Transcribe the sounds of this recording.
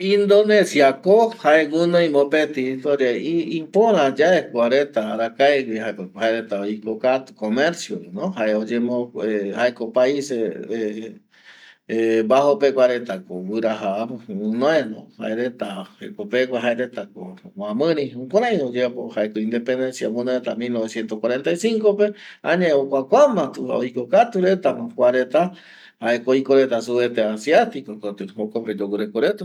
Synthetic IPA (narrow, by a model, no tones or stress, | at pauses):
ĩnd̪onesiakohaewɨnoĩmõpet̪it̪oɾaiipõɾãd͡ʒaekʷaɾet̪aɾakaewihaekhaeɾet̪aoikokat̪ukomeɾsjoinõhaeod͡ʒemõehaekopaisee | ebahopekʷaɾet̪akowɨɾaɦaunõẽnõ̰ha̰eɾet̪aḛkopekʷaɦaeɾet̪akowãmɨ̃ɾĩũkʷaɾaj̃od͡ʒepohaekoĩnd̪epend̪ensiamũnõet̪amilnoβesjent̪oskwaɾent̪ajsiŋkopeãɲãokʷakʷamãt̪uha̰o̰jkokat̪uɾet̪amãkʷaɾet̪a | haekoikoɾet̪asuβet̪easjat̪ikokot̪ɨhokoped͡ʒowuɾekoɾet̪u